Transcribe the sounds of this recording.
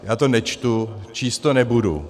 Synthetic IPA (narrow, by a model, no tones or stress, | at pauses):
jaːt̪onɛt͡ʃt̪ut͡ʃiːst̪onɛbudṵ